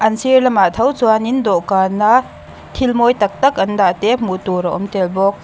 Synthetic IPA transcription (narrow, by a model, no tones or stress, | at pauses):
ʔɐnsirlɐmat̪ʰɐwt͡suanind̪ɔʔkaːna | t̪ʰilmɔjt̪ɐk̚t̪ɐkʔɐnd̪aʔt̪ɛmut̪uɾaʔɔmt̪ɛlbɔk̚